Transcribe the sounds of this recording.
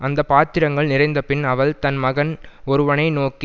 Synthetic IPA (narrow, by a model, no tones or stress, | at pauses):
ɐnd̪ɐpaːt̪ːɪɾɐŋɡɐɭnɪrɐɪnd̪ɐpɪnɐʋɐɭt̪ɐnmɐɣɐnɔɾɯʋɐnɐɪnoːki